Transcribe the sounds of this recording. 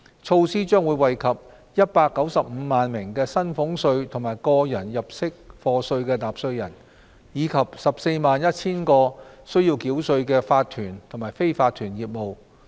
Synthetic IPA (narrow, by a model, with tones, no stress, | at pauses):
t͡ʃʰo˧wsiː˥t͡ʃœː˥ŋwu˨˧jwɐ˨jkʰɐ˨p̚ | jɐ˥t̚paː˧kːɐ˨˥wsɐ˨p̚m̩ː˨˧maː˨nmɪ˨˩ŋkɛː˧sɐ˥nfʊ˨˥ŋsɵ˧ɥt̪ʰʊ˨˩maː˨˩jkɔː˧jɐ˨˩njɐ˨p̚sɪ˥k̚fɔː˧sɵ˧ɥkɛː˧t̪aː˨˩p̚sɵ˧ɥjɐ̰˨˩n | jiː˨˧kʰɐ˨p̚sɐ˨p̚se˧jmaː˨njɐ˥t̚t͡sʰiː˥nkɔː˧sɵ˥ɥjiː˧wkiː˨˥wsɵ˧ɥkɛː˧faː˧t̪̚ʰyː˨˩nt̪ʰʊ˨˩ŋmaː˨˩jfe˥jfaː˧t̪ʰyː˨˩njiː˨˩p̚mo˨w